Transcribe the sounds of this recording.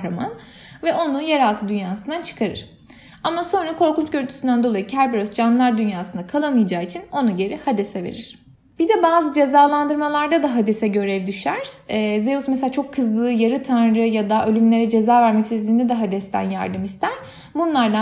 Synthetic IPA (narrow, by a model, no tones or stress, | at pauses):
ɾama̰n | vɛʔo̞nujeɾalˠt̪ʰɯd̪ynjaːsɯnd̪at͡ʃʰɯ̥kʰaɾɯ̰ɾ̥ | amaso̞nɾakʰo̞ɾkunt͡ʃɟøɾynt̪ʰysynd̪ænd̪o̞lˠajɯcʰæɾbeɾosd͡ʒanlˠaɾd̪ynjaːsɯnd̪akʰalˠamɯjad͡ʒaːit͡ʃʰino̞nuɟe̞ɾihad̪esɛve̞̰ɾiɾ̥ | b̥id̪ɛbaːzɯd͡ʒe̞zaːlˠand̪ɯɾmalˠaɾd̪ad̪aɦad̪esɛɟø̞ɾɛvd̪yʃæɾ̥ɛːzeusmeselat͡ʃʰo̞kʰːɯzlˠɯːjaɾɯt̪ʰanɾɯjad̪aʔø̞lʲymlʲe̞ɾɛd͡ʒe̞zaːvæɾmɛcsizlʲiːnd̪ɛd̪ɛɦad̪ɛst̪ʰæ̰nja̰ɾd̪ɯmist̪ʰæɾ̥ | bunlˠaɾd̪a